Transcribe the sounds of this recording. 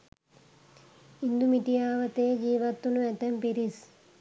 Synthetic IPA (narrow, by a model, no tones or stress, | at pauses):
ind̪umiʈ̪ijaːʋɐt̪eːd͡ʒiːʋɐt̪ːunuet̪empiɾis